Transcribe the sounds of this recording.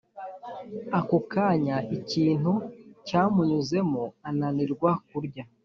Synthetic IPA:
akukaɲaiciːn̥hucaːmuɲuze̞moananiɾɡwak̚uɾɟa

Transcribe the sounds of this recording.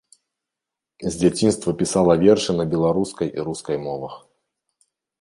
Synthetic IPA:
zʲd͡zʲat͡sʲinst̪vɐpʲisalˠɐvʲɛrʂɨnɐbʲɛlˠaɾuskɐjḭɾuskɐjmɔvɐx

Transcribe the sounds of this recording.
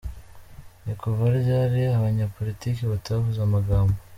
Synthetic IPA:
nikovaɾjaɾiaβaɲapo̞litiːkeβataβavuzamaɡaːmbo

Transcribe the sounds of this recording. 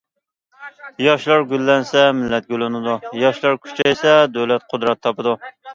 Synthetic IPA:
jɑʃlˠɑɾɡʲylːɛnsɛmɪlːɛt̪̚ɡʲølɪnɨd̪ujɑʃlˠɑɾkʲʰy̥t͡ʃʰɛjsɛd̪øwlɛt̪̚qʰʊd̪ɾɛt̪ʰːɑpɨd̪u

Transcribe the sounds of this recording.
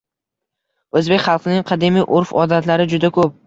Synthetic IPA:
ɵzbekʲχɑlˠqʰɨnɪŋqʰɑd̪emijʔoɾfɒd̪at̪laɾɪd͡ʒʊd̪akʰɵp̚

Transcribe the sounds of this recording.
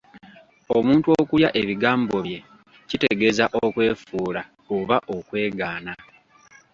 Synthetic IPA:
omuːntuo̞kujaʔe̞βiɡaːmbo̞βje̞ | cite̞ɡe̞zaʔokwe̞ːfuːla | oβaʔo̞kwe̞ːɡaːna

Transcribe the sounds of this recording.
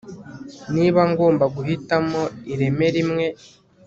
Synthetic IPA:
niːβaŋɡo̞ːmbaɡuɦitamo̞iɾe̞me̞ɾimŋe̞

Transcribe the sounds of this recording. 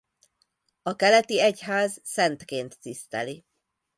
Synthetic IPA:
ɒkɛlɛt̪iɛcɦaːzsɛnt̪keːnt̪ːist̪ɛ̰li

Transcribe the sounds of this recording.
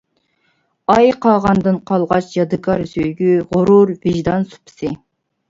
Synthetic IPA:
ɑjqʰɑʁɑnd̪ɨnqʰɑlˠʁɑt͡ʃjɑd̪ɨkʰɑɾsøjɡʲyʁʊɾuɾvɪʒd̪ɑnsu̥pʰɨ̥sɨ

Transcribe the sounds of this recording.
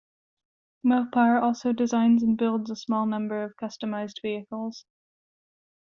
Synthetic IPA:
mɛlˠpʰaɪə˞ʔɔlˠsoʊdɪzãɪ̃nzə̃nbɪlˠdzəsmɔlˠnʌ̃mbə˞ʌv̥kʰʌstəmaɪzdviɨkəlˠz̥

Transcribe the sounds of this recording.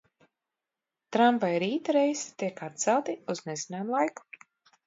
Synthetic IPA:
t̪ɾampajiɾiːt̪aɾejst̪iɛkat̪̚t̪sɛlˠt̪iuznezinaːmlˠajku̥

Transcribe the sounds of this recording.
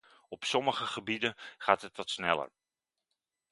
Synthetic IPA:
ɔpsɔməχəχəbidənχaːtɦətʋɑtsnɛlə̰ɹ

